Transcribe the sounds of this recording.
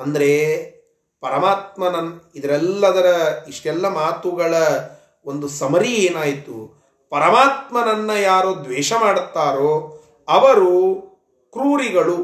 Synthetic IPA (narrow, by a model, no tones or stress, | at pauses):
ɐnd̪ɐɾe̞ | pɐɾɐmaːt̪̚mɐnɐnid̪ɐɾɛlːɐd̪ɐɾɐiʂʈɛlːɐmaːt̪uɡɐɭɐ | o̞nd̪usɐmɐɾieːnaːjt̪ṵ | pɐɾɐmaːt̪mɐnɐnːɐjaːɾod̪ʋɛːʂɐmaːɽt̪ːaːɾoː | ɐʋɐɾu | kɾuːɾiɡɐɭu